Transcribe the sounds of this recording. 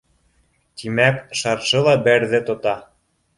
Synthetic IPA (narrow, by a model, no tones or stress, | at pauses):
t̪imækʃɑrʃɤ̆lɑbærðɘ̆t̪ot̪ɑ